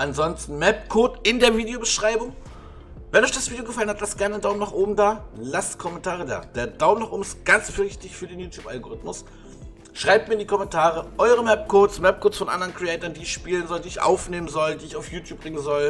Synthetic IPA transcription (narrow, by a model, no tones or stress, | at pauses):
ʔanzɔnstn̩mɛp̚kʰoːtɪndeːɐviːdeobəʃʁ̥aɪbʊŋ | vɛnɔʏçd̥asv̥iːdeoɡəfalənhatlastɡ̥ɛɐnɪndaʊmnaːχʔoːbm̩daːlastkʰɔmɛntʰaːʁəda̰ːd̥eːɐd̥aʊmnaχʔo̰ːbm̩ɪstɡ̥ant͡sfyɐɪçtɪçfyːɐdeːnjuːtʰjuːpa̰lɡoʁɪtmʊs | ʃʁ̥aɪp̚t̚miːɐɪndiːkʰɔmɛntʰaːʁəʔɔʏʁəmɛp̚kʰoːtsmɛp̚kʰoːtsfɔnʔa̰ndɐʁənkʁ̥iɛːtɐndiːɪçʃpiːlənzɔldiːɪçʔa̰ʊfneːmənzɔldiːɪçaʊfjuːtʰjuːpbʁɪŋənzɔl